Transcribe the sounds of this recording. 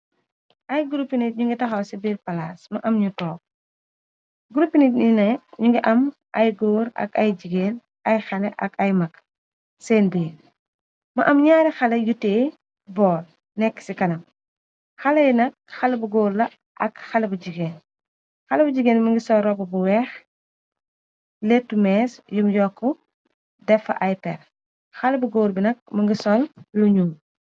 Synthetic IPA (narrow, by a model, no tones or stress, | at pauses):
ʔɐjɡuɾupːinit̚ɲuŋɡitɐxɐwsibiːɾpɐlaːsmɐʔɐmɲutɔːk̚ | ɡuɾupːinit̚ninɐɲuŋɡiʔɐm | ʔɐjɡoːɾɐ̰kɐjɟiɡeːn | ɐjxɐlɛʔɐkɐjmɐk | seːnbiːɾ | mɐ̰ʔɐmɲaːɾixɐlɐjutːeː | bɔːl | nɛkːsikɐnɐm | xɐlɐjnɐk̚xɐlɐbuɡoːɾlɐ | ʔɐkxɐlɐbuɟiɡeːn | xɐlɐbɐd͡ʒiɡeːnmɐŋɡisɔlrɔbɐbuwɛx | letːumɛːsjumjɔkːɔ | dɛfɐ̰ʔɐjpɛr | xɐlɐbuɡoːɾbinɐk̚mɐŋɡisɔlluɲuːm